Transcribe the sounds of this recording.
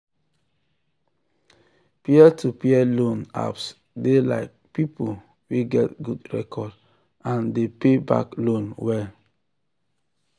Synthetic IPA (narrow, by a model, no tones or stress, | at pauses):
piɛtʰupiɛlõna̰ps | dela̰ɪk̚pipʰol | wiɡɛtɡudɹɛ̰kʰɔd | ãndepeba̰klõnwɛl